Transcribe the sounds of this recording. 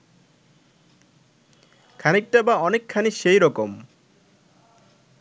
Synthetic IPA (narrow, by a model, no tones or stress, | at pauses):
kʰanik̚ʈabaɔnekʰːaniʃejɾɔkom